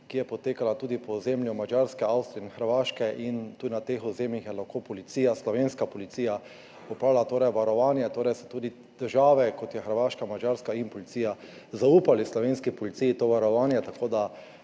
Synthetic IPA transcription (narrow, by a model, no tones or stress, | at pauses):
kijɛpɔt̪eːkalat̪uːd̪ipɔzemljumad͡ʒaɾskɛawst̪ɾiɛinxəɾʋaːʃkɛʔint̪uːd̪inat̪exʊzeːmjixjɛlaxkoːpɔlit̪siːjaslɔʋeːnskapɔlit̪siːja | ɔpalat̪oːɾɛjʋaɾɔʋanjɛt̪oːɾɛjsɛ̥t̪uːd̪i | d̪̥əɾʒaːʋɛkɔt̪jɛxəɾʋaːʃkamad͡ʒaɾskainpɔlit̪siːja | zauːpalislɔʋenskipɔlit̪sijit̪oːʋaɾɔʋaːnjɛt̪akoːd̪a